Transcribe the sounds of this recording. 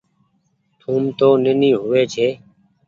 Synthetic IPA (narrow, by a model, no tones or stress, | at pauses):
t̪ʰuːmt̪oːnenĩːɦʊʋeːt͡ʃʰeː